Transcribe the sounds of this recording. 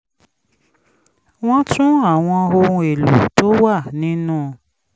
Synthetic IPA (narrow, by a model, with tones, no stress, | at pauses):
w̃ɔ̃˦tʰũ˦a˦˨w̃ɔ̃˧o˧ɾũ˧e˨lṵ˨to˦wa˦˨nĩ˦nũː˦˨